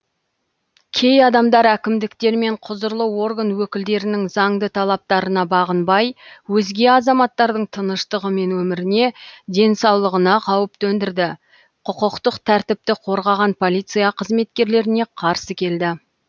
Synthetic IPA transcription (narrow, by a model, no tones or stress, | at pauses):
kʲʰe̞jɑd̪ɑmd̪ɑɾækʲɪmd̪ɪkt̪e̞ɾme̞ɴqʰʊzəɾlˠəwo̞rɡanwɵkʲɪld̪e̞ɾɪnɪŋzɑŋd̪ət̪ʰɑlˠɑp̚t̪ɑɾənɑbɑʁənbɑjwɵzɡʲe̞ɑzɑmɑt̪ːɑɾd̪əɴt̪ʰənəʃt̪əʁəme̞nwɵmɪɾɪne̞d̪e̞nsɑwlˠəʁənɑqʰɑwəp̚t̪ɵnd̪ɪɾd̪ɪ | qʰʊqəqt̪əqt̪ʰæɾt̪ɪp̚t̪ɪqʰo̞ɾʁɑʁɑnpʰo̞lʲˠijt̪sɨjaqʰəzme̞t̪kʲe̞ɾle̞ɾɪne̞qʰɑɾsəkʲʰe̞ld̪ɪ